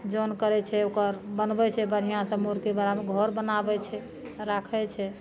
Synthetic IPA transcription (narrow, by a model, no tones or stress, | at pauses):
d͡ʒonkəɾɛt͡ʃʰɛokəɾbənbɛt͡ʃʰɛbəɾ̤ijãsəmoɾkebaɾameɡʱɔɾbənabɛt͡ʃʰɛ | ɾakʰɛt͡ʃʰɛ